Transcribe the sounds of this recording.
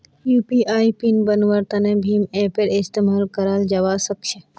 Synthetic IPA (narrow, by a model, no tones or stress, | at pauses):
juːpiʔaːipinbənʋəɾt̪ɐnebʱiːmepeɾɪst̪emaːlkəɾaːld͡ʒɐʋasəkʃe